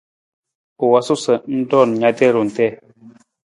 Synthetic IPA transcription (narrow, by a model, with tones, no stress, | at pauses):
o˨wa˨su˦sə˨n̩˦dɔ˦˨n˨ɲa˨˦tɛ˦˨ɾu˨n̩˨tɛ˦˨